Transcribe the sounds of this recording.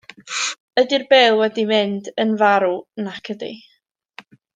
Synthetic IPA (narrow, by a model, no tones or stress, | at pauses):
ədirbɛːlˠwɛdimɪndənvaɾunakʰədḭ